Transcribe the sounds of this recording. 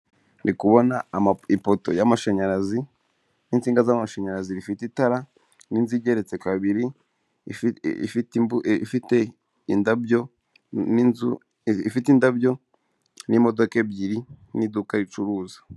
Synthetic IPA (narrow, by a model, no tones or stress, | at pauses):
nʔikuβo̞namaipoto̞̰jamaʃaɲaɾazi | nint͡siːŋɡazaamaʃaɲaɾaziɾifititaɾa | ninziɟe̞ɾe̞t͡se̞kaβiɾi | fibifite | indabjo̞ | nizu | ifitindabjo̞ | nimo̞do̞ke̞bɟiɾinidukaɾit͡ʃuɾuːzḁ